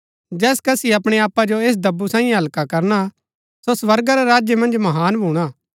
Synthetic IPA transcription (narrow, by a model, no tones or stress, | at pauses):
d͡ʒɛːskɐsiɐpɽ̃eaːpːad͡ʒoeːs̬d̪ɐbːusãːĩẽɦɐlkakɐɾna | sosʋɐɾɡaɾaɾaːd͡ʒjəmɐ̃nd͡ʒmɐɦaːnbʱuːɽ̃aː